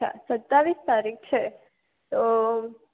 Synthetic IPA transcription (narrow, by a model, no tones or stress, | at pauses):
a̰sɐt̪ːaʋist̪aːɾik̚ʰt͡ʃʰɛ | t̪o